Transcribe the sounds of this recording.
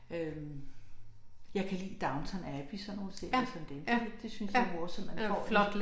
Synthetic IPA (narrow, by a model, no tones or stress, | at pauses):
øm | jɑ̈ɪkʰælḭːd̥ɑ̈ʊnt͡sʰɒnæb̥isɒ̽nːo̝ːləseisɒmd̥ened̥e̝synsjɑoɐsɒ̽mːænfɒ̰ːf